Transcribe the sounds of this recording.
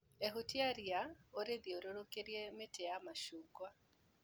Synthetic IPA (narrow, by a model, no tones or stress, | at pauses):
eɦutʰiaɾiaoɾeðioɾoɾokʼeɾjɛmetʰɛjamaʃukwa